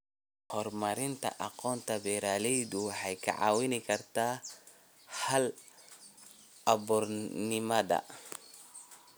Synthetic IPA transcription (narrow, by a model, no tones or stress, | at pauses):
hɔrmɐɾɪnt̪ʰɐ̰ʔɑqɔːnt̪ʰɐbɛːɾaːlɛjðʊħɛjkʰɐ̰ʕɑ̰ːwɪnɪkʰɐrt̪ʰaː | hɐl | ɐbʊrnɪmɐðɐ̰